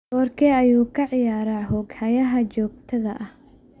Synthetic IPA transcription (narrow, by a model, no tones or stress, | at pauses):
ɔːrkʰɛːɐjuːkʰɐʕɪjaːɾaɦɔːɡhɐjɐɦɐt͡ʃɔːɡ̚t̪ʰɐðɐ̰ʔɐh